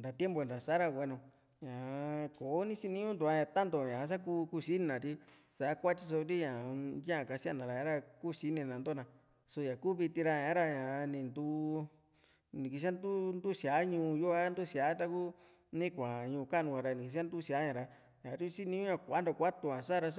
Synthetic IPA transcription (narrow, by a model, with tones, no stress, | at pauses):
nd̪a˨t̪je˦mbo˧˨nd̪a˨sa˦ɾa˧wʷe˧nõ˨˧ | ɲã˨ko˨˦nĩ˦si˧nĩ˧˦õ˦nd̪u˨˧a˧jã˧˨t̪a˦nd̪o˨ɲã˨˧s̬a˦ku˧ku˧˦si˦nã˨t̪i˧ | sa˨˦kʷa˦t͡ʃi˧s̬o˧t̪i˦ɲã˨jã˦ã˨ka˧si˦a̰˧˨nã˨ɾa˧jã˧˦ɾa˧kuː˦ʃi˦nẽ˧˨nã˨nd̪o˦nã˧ | so˧jã˨ku˦˨βi˧t̪i˧ɾa˧˨ã˨˦ɾa˧ɲã˨˧nĩ˨nd̪u˧˦ | nĩ˨ki˧s̬a˦nd̪u˦nd̪u˦sa˨˦ɲũː˧jo˦a˦nd̪u˦sja˨˦t̪a˧ku˦ | nĩ˦kʷa˨ɲũː˧ka˦˨nũ˧ka˧ɾa˧nĩ˨ki˨˧s̬nd̪u˦si˧a˨˦ɲã˨˧ɾa˧ | jã˨˧ɾi˦si˦nĩ˧˦õ˦ɲã˧kʷa˨˦nd̪o˨˧kʷa˦t̪u˧ã˨sa˦˧ɾa˧sa˦